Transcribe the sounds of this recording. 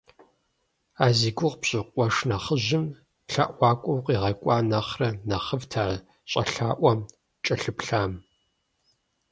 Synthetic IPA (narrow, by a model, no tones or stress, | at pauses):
aːziːɡʷʊʁpɕʼɪqʷʼɔʂnɐχəʑɪm | ɬɐ̰ʔʷɑːkʷʼɔwqʼiːʁɐkʷʼɑːnɐχrɐnɐχəvtʰaː | ɕʼɐ̰ɬaːʔʷɐm | t͡ʃʼɐɬɨpɬaːm